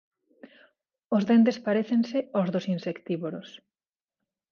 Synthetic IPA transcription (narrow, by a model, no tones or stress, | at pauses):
ozðent̪̬espaɾeθensɪozðosinsekt̪iβoɾos